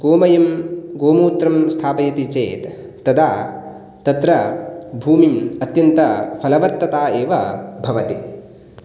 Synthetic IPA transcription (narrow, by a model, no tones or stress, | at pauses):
ɡoːmɐjɐmɡoːmuːt̪ɾɐmst̪ʰaːpɐjɐt̪it͡ʃeːt̪ː | ɐd̪ʱaː | t̪ɐt̪ɾɐbʱuːmiɐt̪jɐnt̪ɐpʰɐlɐʋɐɾt̪ɐt̪aːeːʋɐbʱɐʋɐt̪i